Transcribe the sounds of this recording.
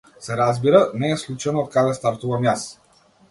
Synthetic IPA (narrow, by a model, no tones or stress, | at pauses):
sɛɾazbiɾanɛːslˠut͡ʃanɔːt̪̚kad̪ɛst̪aɾt̪uvamjas